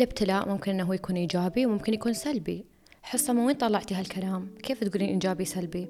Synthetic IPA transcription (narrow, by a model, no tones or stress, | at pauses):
lɪbt̪ɪlaːʔmʊmkɪnʔɪnːaɦuːjakuːnʔiːd͡ʒaːbiwmʊmkɪnjakuːnsalbi | ħɪsˤːʔamːawiːnt̪ˤɑlːɑʕt̪iɦalkʰalaːmkeːft̪ɡuːliːnʔiːd͡ʒaːbisalbi